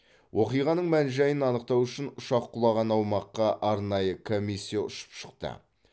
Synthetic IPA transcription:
wʔo̞qijʁɑnəɴmænʒæjənɑnəq̚t̪ɑwʏʃɪnʊʃɑqʰːʊlˠɑʁɑnɑwmɑqːɑʔɑɾnɑjəkʰo̞misʲːijaʊ̰ʃə̥pʃə̥qt̪ə̰

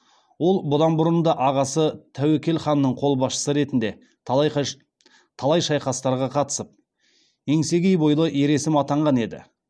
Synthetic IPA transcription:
wo̞lˠbʊd̪ɑnbʊɾənd̪ɑʔɑʁɑsət̪ʰæwekʲe̞lχɑnːəɴqʰo̞lˠbɑsʃə̥səɾe̞t̪ɪnd̪e̞ | t̪ʰɑlˠɑjʃɑjqɑst̪ɑɾʁɑqʰɑt̪ə̥səp̚ | e̞ŋse̞ɡʲejbo̞jlˠəʔje̞ɾe̞sɪmɑt̪ɑɴʁɑne̞d̪ɪ̰

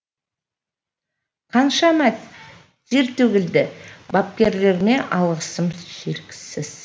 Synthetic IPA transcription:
qʰɑnʃɑmæt̪ | ʒ̥e̞ɾt̪ʰɵɡʲɪld̪ɪbɑp̚kʲe̞ɾle̞ɾme̞ʔɑlˠʁəsəmʒeɾkʲɪ̥sɪz̥

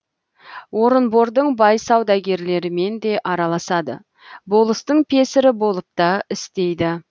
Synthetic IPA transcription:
wo̞ɾənbo̞ɾd̪əɴbɑjsɑwd̪ɑɡʲe̞ɾle̞ɾɪme̞nd̪e̞ʔɑɾɑlˠɑsɑd̪ə̰ | bo̞lˠəst̪əɴpʰe̞sɪɾɪbo̞lˠəp̚t̪ɑɪst̪e̞jd̪ɪ

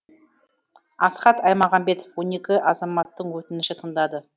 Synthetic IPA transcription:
ɑsqɑt̪ɑjmɑʁɑmbe̞t̪ofwo̞ne̞kʲɪʔɑzɑmɑt̪ːəɴwɵt̪ɪnɪʃɪt̪ʰəɴd̪ɑd̪ə

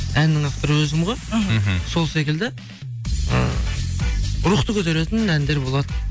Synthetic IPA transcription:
ænːɪŋaft̪oɾəwɵzɪmʁɑɦso̞lˠse̞kʲɪld̪ɪ | ə̰ | ɾuχt̪əkʲɵt̪̬eɾet̪ɪnænd̪e̞ɾbo̞lˠɑd̪ə

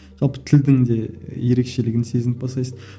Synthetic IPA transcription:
ʒ̥ɑlˠpə̥t̪ʰɪld̪ɪŋd̪e̞je̞ɾe̞kʃe̞lɪɡʲɪnse̞zɪnɪp̚bɑst̪ɑjsən

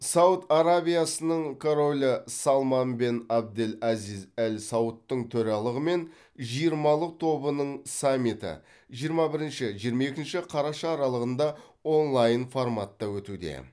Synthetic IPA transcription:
sɑwt̪aɾabʲijasənəɴkʰoɾo̞lʲəsɑlˠmɑnbenɑb̚d̪elɑzizælsɑwət̪ːəɴt̪ʰɵɾɑlˠəʁəme̞n | ʒijəɾmɑlˠəq̚t̪ʰo̞bənəɴsamːit̪ə̰ | ʒijəɾmɑbɪɾɪnʃɪʒijəɾmɑe̞kʲɪnʃɪqʰɑɾɑʃɑːɾɑlˠəʁənd̪ɑ | o̞nlˠɑjənformat̪ːɑwɵt̪ud̪e̞̰

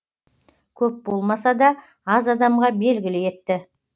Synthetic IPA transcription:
kʲʰɵp̚bo̞lˠmɑsɑd̪ɑ | ɑzɑd̪ɑmʁɑbe̞lɡʲɪlɪje̞t̪ːɪ

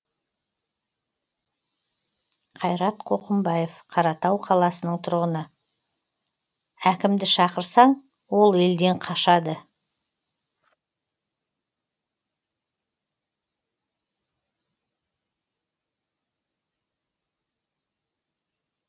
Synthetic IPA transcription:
qʰɑjɾɑt̪qʰo̞qəmbɑje̞fqʰɑɾɑt̪ɑwqʰɑlˠɑsənəɴt̪ʰʊɾʁənə | ækʲɪmd̪ɪʃɑqəɾsɑɴ | wo̞lˠe̞ld̪e̞ɴqʰɑʃɑd̪ə

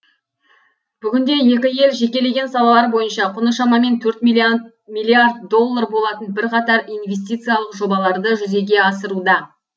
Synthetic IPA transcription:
b̥ʏɡʲɪnd̪e̞je̞kʲɪje̞lʒe̞kʲe̞le̞ɡʲe̞nsɑlˠɑlˠɑɾbo̞jənʃɑqʰʊnəʃɑmɑme̞nt̪ʰɵɾt̪m | mijlʲˠːijard̪̚ːo̞lˠːarbo̞lˠɑt̪ənbɪɾqʰɑt̪ɑɾijnve̞st̪it̪sɨjɑlˠəqʒo̞bɑlˠɑɾd̪əʒʏze̞ɡʲe̞ɑsəɾud̪ɑ

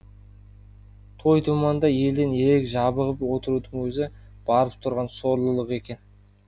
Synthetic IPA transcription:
t̪ʰo̞jt̪ʰumɑnd̪ɑje̞ld̪ene̞ɾe̞kʲʒɑbəʁəpwo̞t̪əɾud̪əɴwɵzɪb̥ɑɾəp̚t̪ʰʊɾʁɑnso̞ɾlˠəlˠəqe̞kʲe̞n

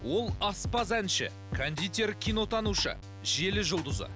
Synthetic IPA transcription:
wo̞lˠɑspɑzænʃɪ̰ | kʰand̪ʲijt̪ʲe̞rkʲʰijno̞t̪ɑnuʃə̰ | ʒe̞lɪʒʊlˠd̪ʊzə̰

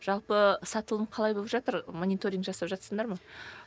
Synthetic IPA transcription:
ʒ̥ɑlˠpəsɑt̪əlˠəmqʰɑlˠɑjbolˠəpʒɑt̪əɾmo̞nʲijt̪oɾʲiŋkʒɑsɑpʒɑt̪səɴd̪ɑɾmɑ

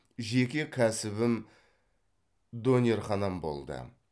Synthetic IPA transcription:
ʒe̞kʲekʲʰæsɪβɪm | d̪o̞nʲeɾχɑnɑmbo̞̰lˠd̪ə̰

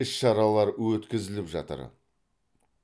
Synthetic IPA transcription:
ɪʃʃɑɾɑlˠɑɾwɵt̪kʲɪzɪlɪpʒɑ̰t̪ə̰ɾ

